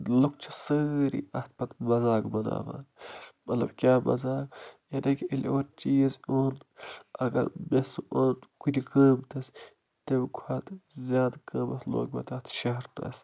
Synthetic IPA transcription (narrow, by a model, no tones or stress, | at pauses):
lukt͡ʃʰi̥səɾḭʔɐt̪̚ʰpɐt̪mɐzaːɡbɐna̰ːʋa̰ːnmɐt̪lɐ̰bkʲjaːmɐ̰zaːɡjɐnɐkiiloːɾt͡ʃiːzoːnɐɡɐ̰ɾmesʔoːnkud̪ʲikəːmt̪ɐs | t̪ebkʷʰaːt̪zʲjaːd̪kəːmɐslo̰ːɡbɐ̰t̪ɐt̪ʰʃɐɦɐɾt̪ɐ̰s